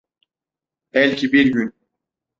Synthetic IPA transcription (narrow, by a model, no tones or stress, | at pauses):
ɛlʲcʰibiɾɟyn